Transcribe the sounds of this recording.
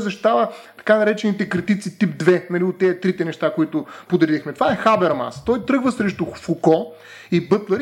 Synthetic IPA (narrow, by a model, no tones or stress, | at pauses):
zɐʃ̬i̥t̪avət̪ɐ̥kanɐɾɛt͡ʃɛnit̪ɛkɾit̪it̪sit̪ip̚d̪vɛnɐliʊt̪ːɛt̪ɾit̪ɛnɛʃt̪akoit̪ʊpʊd̪ɛɾixmɛt̪ovaɛxabɛɾma̰st̪ɔjt̪ɾɤɡvəsɾɛʃt̪ʊfukɔ | ibɤt̪lˠəɾ